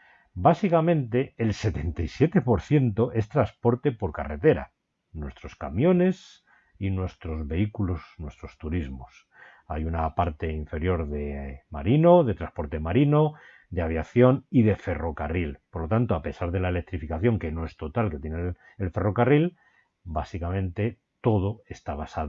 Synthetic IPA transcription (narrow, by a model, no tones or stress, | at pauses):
basikamẽ̞nt̪e̞ːlse̞t̪e̞nt̪ajsje̞t̪e̞po̞ɾθje̞nt̪o̞ʔe̞st̪ɾaspo̞ɾt̪e̞po̞ɾkare̞t̪e̞ɾa̰ | nwe̞st̪ɾo̞ska̰mjõ̞ne̞s | inwe̞st̪ɾo̞zβe̞ikulo̞snwe̞st̪ɾo̞st̪uɾizmo̞̰s | a̰junapaɾt̪e̞iɱfe̞ɾjo̞ɾðe̞maɾinoðe̞t̪ɾaspo̞ɾt̪e̞maɾino̞ | d̪eaβ̞jaθjo̞nið̞e̞fe̞ro̞karilpoɾlo̞t̪ant̪oape̞saɾðe̞laele̞k̚t̪ɾifikaθjo̞ŋke̞no̞e̞st̪o̞t̪alke̞t̪je̞ne | elfe̞ro̞karil | basikamẽ̞nt̪e̞ | t̪o̞ð̞o̞e̞st̪aβasa